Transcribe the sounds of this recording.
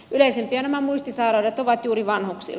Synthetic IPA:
yleisempiænæmæmuist̪isɑiɾɑret̪oʋɑt̪juːɾiʋɑnhoksḭl

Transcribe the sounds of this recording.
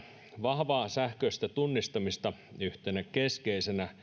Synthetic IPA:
ʋɑhʋɑːsæhkøist̪æt̪unːist̪ɑmist̪ɑyht̪enækeskeisenæ

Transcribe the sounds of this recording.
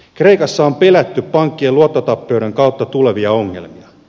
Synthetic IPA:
kre̞ikɑsːɑompe̞læt̪ːyppːɑŋkːieluot̪ːot̪ɑpːe̞wɾe̞ŋkɑwt̪ːɑt̪uleʋiɑo̞ŋːe̞̰lmiɑ

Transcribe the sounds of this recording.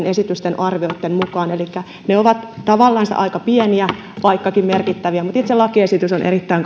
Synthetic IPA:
nesit̪yst̪enɑrʋioit̪ːemmukɑːnelikːæ | neoʋɑt̪t̪ɑʋɑlːɑnst̪ʔɑ̰ikɑpieniæ | ʋɑikːɑkimmerkit̪ːæʋiæmut̪it̪selɑkiesit̪ysonʔḛrit̪ːæiŋk

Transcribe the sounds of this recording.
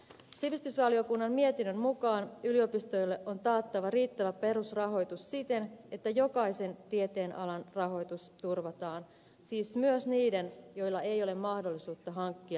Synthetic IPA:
siʋist̪ysʋɑlio̞kunːɑmmiet̪inːømmukɑːnylio̞pist̪o̞jlːe̞ʔo̞nt̪ɑːt̪ːɑʋɑriːt̪ːæʋæpe̞ɾusrɑɦo̞jt̪ussit̪e̞ne̞t̪ːæjokɑjse̞nt̪iet̪e̞ːnʔɑlɑnrɑɦo̞jt̪ust̪urʋɑt̪ɑːn | siːsmyøsniːde̞njo̞jlːɑe̞jo̞le̞mmɑhdo̞lːisuːt̪ːɑɦɑŋkːiɑ

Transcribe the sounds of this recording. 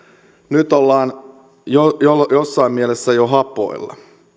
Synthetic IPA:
nyt̪olːɑːn | jojoljosːɑimmielesːæjoɦɑpˑo̰ilːɑ̰

